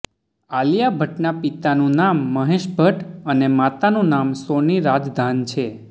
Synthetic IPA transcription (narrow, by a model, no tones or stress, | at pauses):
aljabʱəʈnapit̪anũnamːəɦeʃbʱəʈənemat̪anũnamsoniɾad͡ʒd̪ʱant͡ʃʰe